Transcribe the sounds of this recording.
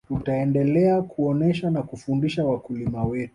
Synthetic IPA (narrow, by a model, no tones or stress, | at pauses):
tutaɛndɛlɛakuɔnɛʃanakufundiʃawakulimawɛtu